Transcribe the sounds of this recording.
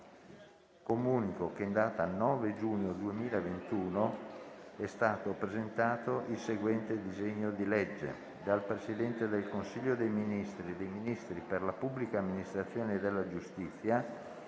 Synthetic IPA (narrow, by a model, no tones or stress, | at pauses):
komuːnikokeːnd̪aːt̪aːnːɔːved͡ʒuːɲːod̪uemiːlaevent̪uːno | ɛst̪aːt̪opɾezent̪aːt̪oʔilseɡwɛnt̪ed̪izeɲːod̪ilɛd͡ʒːḛ | d̪alpɾesid̪ɛnt̪ed̪elkonsiʎːod̪ejminist̪ɾid̪ejminist̪ɾiperlapubːlikaːmːinist̪ɾat̪sːjoːned̪elːad͡ʒust̪it̪sːja